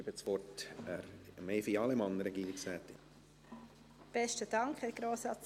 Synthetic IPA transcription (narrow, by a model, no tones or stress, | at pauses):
ibət͡sʋɔrt | meɪfiɑləmɑnəɾɛɡiːɾɪksʋætːɪ | b̥ɛʃtəd̥ɑŋkhɛɾɡ̥ɾoːsɑt͡s